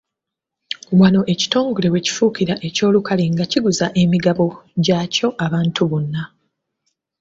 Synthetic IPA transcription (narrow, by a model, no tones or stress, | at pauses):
wano̞ʔe̞ci̥to̞ːŋɡo̞le̞we̞ci̥fuːkiɾaʔe̞co̞ːlukaleŋɡaciɡuzaʔe̞miɡaβo̞ɟaːco̞ʔaβaːntʰuβunːa